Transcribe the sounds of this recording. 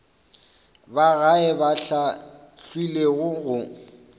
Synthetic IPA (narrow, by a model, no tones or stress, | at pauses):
baɣaɛbaɬa | ɬwileɣʊɣʊ